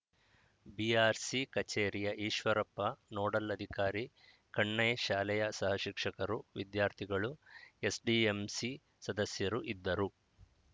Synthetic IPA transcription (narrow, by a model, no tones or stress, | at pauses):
biaːɾsikɐt͡ʃeːɾijɐʔiːʃʋɐɾɐpːɐnoːɽɐlɐd̪ʱikaːɾi | kɐɳːɐjʃaːlɛjɐsɐɦɐʃikʂɐkɐɾuʋid̪jaːɾt̪ʰiɡɐɭuesɖiemsi | sɐd̪ɐsjɐɾuʔid̪ːɐɾu